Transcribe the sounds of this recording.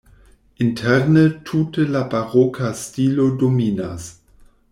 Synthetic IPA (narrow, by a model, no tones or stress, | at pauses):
ʔɪntʰɛʁnətʰuːtəlabaʁɔkʰastiːlodomiːnas